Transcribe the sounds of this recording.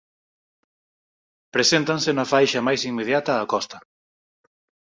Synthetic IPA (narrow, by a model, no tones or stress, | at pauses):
pɾesent̪ansɪnɐfajʃɐmajsiŋmːeðjat̪ɐːkɔst̪ɐ̥